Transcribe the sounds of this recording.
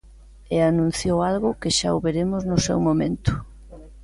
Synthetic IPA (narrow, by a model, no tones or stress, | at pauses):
eanũn̟θjowalɣʊkɪʃa̰oβeɾemʊznʊsɛ̰wmomẽnt̪ʊ̥